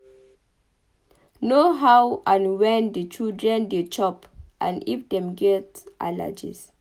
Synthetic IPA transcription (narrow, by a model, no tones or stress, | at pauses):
noɦawãnwɛ̃ndət͡ʃildɹɛ̃ndet͡ʃɔp | ʔã̰nḭfdɛ̃mɡɛt | ʔa̰la̰d͡ʒḭs